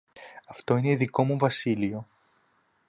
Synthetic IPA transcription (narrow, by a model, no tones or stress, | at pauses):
ɐft̪o̞ineiðiko̞muvɐsilio̞